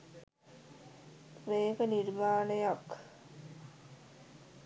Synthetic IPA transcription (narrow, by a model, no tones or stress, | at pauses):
preːkəniɾmaːnəjak